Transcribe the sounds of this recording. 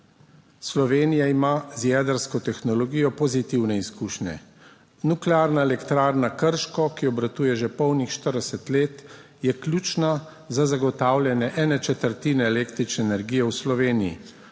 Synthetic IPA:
slɔʋeːnijaimazjɛːd̪əɾskɔt̪ɛxnɔlɔɡiːjɔpɔzit̪iwnɛiskuːʃnɛ̰ | nuklɛaːɾnaɛlɛkt̪ɾaːɾnakəɾʃkɔkiɔbɾat̪uːjɛʒɛpɔwnixʃt̪əɾd̪ɛsɛt̪leːt̪ | jɛklʲjuːt͡ʃna | zazaɡɔt̪aːwlʲjɛnjɛʔɛːnɛt͡ʃɛt̪əɾt̪iːnɛːleːkt̪ɾit͡ʃnɛːnɛɾɡiːjɛwslɔʋeːnijḭ

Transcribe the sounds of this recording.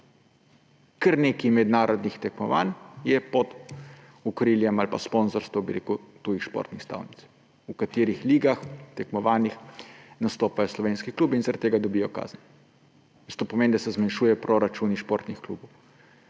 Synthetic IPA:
kəɾneːkimɛd̪naːɾɔd̪nixt̪ɛkmɔʋa̰njɛpɔd̪ | ukɾiːljɛmalpaspɔnzɔɾst̪ʋɐwbɛɾḛːkut̪uːjixʃpɔ̰ɾt̪nixst̪a̰ːwnit̪s | ukat̪eːɾixliːɡaxt̪ɛkmɔʋaːnixnast̪oːpajɔslɔʋeːnskikluːbinzaɾat̪ːeːɡad̪ɔbijɔka̰ːznɛ | ist̪oːpɔmeːnd̪asɛzmanʃuːjɛpɾɔɾat͡ʃuniʃpoɾt̪nixklṵbɔw

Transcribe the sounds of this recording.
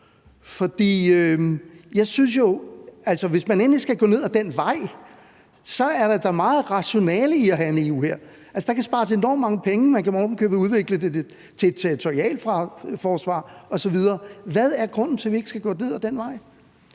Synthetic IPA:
fɒ̽d̥ḭːøjɑ̈ɪsyns̬jo̝ælsɒʋe̝smænen̰lisɡ̥æɡ̥ɔ̰ne̝ð̞̰ˠæd̥en̰ʋɑ̈ɪ̰ | sɒ̽æɐɾ̥ɑd̥ɑ̈mɑ̈ːð̩ˠʁɑ̈ɕo̝nɛ̰ːləiæɦæe̝ne̝ṵːheɐ̰ | ælsə̥d̥ɑ̈kʰæsb̥ɑ̈ːs̬e̝nɒ̰mːɑ̈ŋəpʰeŋəmænkʰæmɒːd̥n̩kʰøːb̥əuð̞ˠʋe̝ɡ̥ləded | t͡sʰe̥t͡sʰeʁit͡sʰo̝ʁiɛ̰ːlfʁɑ̈fɒːsʋɑ̰̈ːɒ̽sɒ̽ʋið̞ˠɐːʋæð̞ˠæɐɡ̥ʁɔ̽n̰n̩t͡sʰe̝lʋie̝ɡ̥əsɡ̥æɡ̥ɔ̰ːne̝ð̞ˠæd̥enʋɑ̈ɪ̰

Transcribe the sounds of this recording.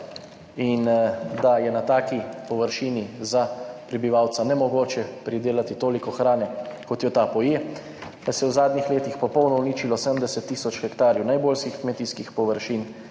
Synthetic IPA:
ind̪ajɛnat̪aːkipɔʋəɾʃiːnizapɾɛbiʋawt̪sanɛmɔɡoːt͡ʃɛpɾid̪eːlat̪it̪oːlikɔxɾaːnɛkɔt̪jɔt̪apɔjeː | d̪̥asɛjɛwzaːd̪nixleːt̪ixpɔpɔwnɔɔuniːt͡ʃilɔsɛmd̪ɛsɛt̪ːiːsɔt͡ʃxɛkt̪aːɾjɛwnajboːlʃkixkmɛt̪iːskixpɔʋəɾʃiːn

